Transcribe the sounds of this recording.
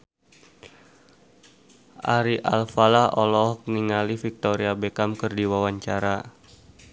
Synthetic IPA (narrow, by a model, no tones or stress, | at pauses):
ʔa̰ɾiʔa̰lfalahʔɔlɔhkniŋalifik̚t̪ɔɾiabekamkərdiwawaɲt͡ʃaɾa